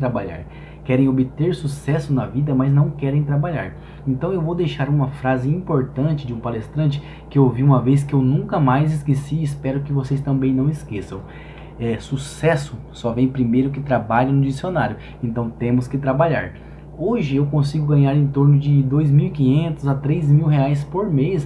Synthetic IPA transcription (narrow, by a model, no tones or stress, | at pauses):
t̪ɾabaʎa̰ɾ | kɛɾẽj̃obɪt̪eɾsusɛsʊnɐvid̪ɐmɐznɐ̃w̃kɛɾẽj̃t̪ɾabaʎa̰ɾ | ẽnt̪ɐ̃w̃ewvowd̪ejʃaɾũmɐfɾazɪĩmpoɾt̪ɐ̃nt͡ʃɪd͡ʒɪũpalest̪ɾɐ̃nt͡ʃɪ̥ | kɪowviũmɐvejs̬kɪewnũkɐmajzɪskesispɛɾʊkɪvosejst̪ɐ̃mbẽj̃nɐ̃w̃ɪskesɐ̃w̃ | ɛsusɛsʊsɔvẽj̃pɾimejɾʊkɪt̪ɾabaʎɐ̃nʊd͡ʒisionaɾjʊ | ẽnt̪ɐ̃w̃t̪ẽmʊskɪt̪ɾabaʎa̰ɾ | oʒɪewkõsiɡʊɡɐ̃ɲaɾẽt̪oɾnʊd͡ʒɪd̪ojzmiwikĩɲẽnt̪ʊzɐt̪ɾejzmiwɦeajs̬poɾmejs